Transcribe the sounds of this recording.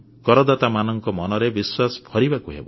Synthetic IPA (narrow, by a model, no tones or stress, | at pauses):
kɔɾɔd̪at̪amanɔŋkɔmɔnɔɾebiswasɔ̥pʰɔɾibakuɦḛbɔ